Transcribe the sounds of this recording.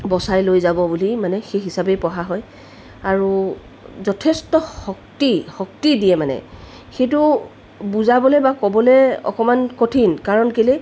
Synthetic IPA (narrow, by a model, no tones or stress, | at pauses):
bɔsajlojzabɔbulimanɛxejɦisabejpɔɦaɦɔj | aɹu | zɔtʰestɔxɔk̚tixɔktidijɛmanɛ̰ | xejtʊ | buzabɔlɛbakɔbɔlɛɔ̰kɔmankotʰinkaɹɔnkeli